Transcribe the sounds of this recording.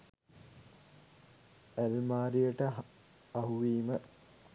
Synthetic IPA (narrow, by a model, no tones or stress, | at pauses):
ælmaːɾijəʈə | ɐɦuʋiːmə